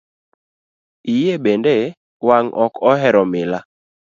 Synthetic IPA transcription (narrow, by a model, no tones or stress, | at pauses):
ijebende | waŋʔɔkɔɦɛɾɔmɪla